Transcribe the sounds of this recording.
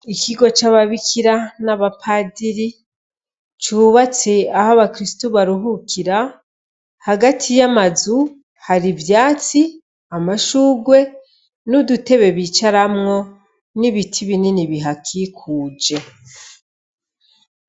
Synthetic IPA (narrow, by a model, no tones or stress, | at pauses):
ikiɡo̞t͡ʃaβaβikʰiɾanaβapʰadiɾi | t͡ʃuːβat͡seahaβakɾistuβaɾuɦukʰiɾa | haɡatʰijamazu | haɾivjaːt͡si | amaʃuːɡwe̞ | nudute̞βe̞βiːt͡ʃaɾamŋo̞ | niβitʰiβininiβiɦakʰikʰuːd͡ʒe̞